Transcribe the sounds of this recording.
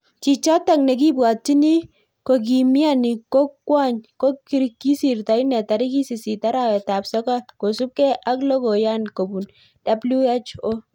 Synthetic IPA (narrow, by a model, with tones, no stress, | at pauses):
t͡ʃi˨t͡ʃa˦ta˨ŋnɛ˨k̬i˦bwa˨t͡ʃi˦ni˦ | ko˨k̬i˨mi˦a˦ni˨ko˦kːwa˦˨ɲko˦kːi˨ɾikːi˦si˨rta˨i˦nɛ˨ta˨ɾi˦ki˦si˨si˨ta˦ɾa˨wɛ˨ta˨psɔ˦ka˦ko˨su˦p̚kɛ˦ʔa˦klɔ˦ko˨ja˦nko˨bu˨n | d̥a˨blu˦e˦t͡ʃo˦